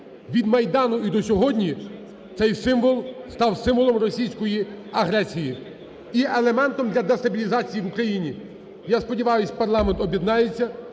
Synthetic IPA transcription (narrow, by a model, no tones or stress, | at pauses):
ʋʲid̪mɐjd̪ɑnʊid̪ɔsʲɔɦɔdʲnʲi | t̪sɛjsɪmʋɔlˠst̪ɑwsɪmʋɔlˠɔmrɔsʲijsʲkɔjiɐɦɾɛsʲiji | iʔelˠemɛnt̪ɔmd̪lʲɐd̪est̪ɐbʲilʲizɑt͡sʲijiʋukɾɐjinʲi | jaspɔdʲiʋɑjʊsʲpɐrlˠɑment̪ɔbʲjɛd̪nɑjet͡sʲːɐ